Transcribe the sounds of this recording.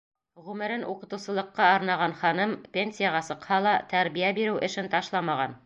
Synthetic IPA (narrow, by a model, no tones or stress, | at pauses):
ʁʉmɘ̆ɾɘnʔuqɤ̆t̪ɤ̆wsɤ̆lˠɤ̆qːɑːɾnɑʁɑnχɑnɤmpʲenʲsʲijaʁɑsɤ̆qhɑlˠɑt̪æɾbijæbiɾɘwʔɘ̆ʃɘnt̪ɑʃlˠɑmɑʁɑn